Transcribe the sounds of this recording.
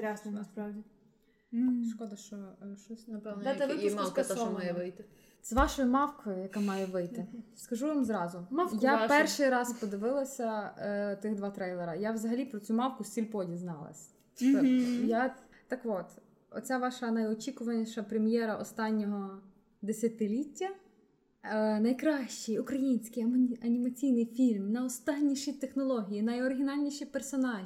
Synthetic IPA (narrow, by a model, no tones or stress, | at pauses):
ɾʲasnɐspɾɑwdʲi | ʃkɔd̪ɐʃt͡ʃɔʃt͡ʃɔsʲnɐpɐɛɛɪmkɐsɔmɑjɛʋɪjt̪ɪ | sʋɑʃɔjimɑwkɔjʊjɐkamɑjɛʋɪjt̪ɪskɐʒuʋimzɾɑzʊmjapɛrʃɪjɾɑzpɔd̪ɪʋɪlˠɐsʲɐt̪ɪɣd̪ʋɑt̪ɾɛjlˠɛɾɐjaʋzɐɦɐlʲipɾɔt͡sʲumɑwkʊsʲilʲpɔdʲiznɑ̰lˠɐ̰sʲ | t͡ʃɔjat̪ɐkʋɔt̪ | ɔ̰t͡sʲaʋɑʃɐnɐjɔt͡ʃʲikʊʋɐnʲiʃɐpɾemjɛɾɐʔɔst̪ɑnʲːɔɦɔ | d̪esʲɐt̪ɪlʲitʲːɐ | nɐjkɾɑʃt͡ʃɪjʊkɾɐjinʲsʲkɪjɐmɐnʲimɐt͡sʲijnɪjfʲilʲmnɐɔst̪ɑnʲːiʃit̪exnɔlˠɔɦʲijinɐjɔɾɪɦʲinɑlʲnʲiʃipersɔnɑʒi